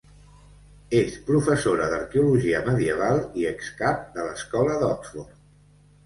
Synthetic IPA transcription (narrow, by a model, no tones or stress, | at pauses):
espɾufəsoɾəðəɾkeuluʒiəməðiəβ̞alˠiəkskap̚d̪ələskɔləðɔksfort̪